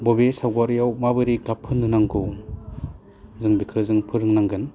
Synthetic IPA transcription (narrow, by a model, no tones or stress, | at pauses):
bɔbesawɡaɾjawmabɯɾiɡapʰːɯnːɯnaŋɡu | zɯŋbikʰɯzɯŋpʰɯɾɯŋnaŋɡɯn